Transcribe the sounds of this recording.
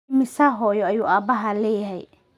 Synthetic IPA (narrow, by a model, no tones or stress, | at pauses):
mɪsaɦɔːjɔɐjuːʔaːbɐɦɐlɛːjɐɦɛj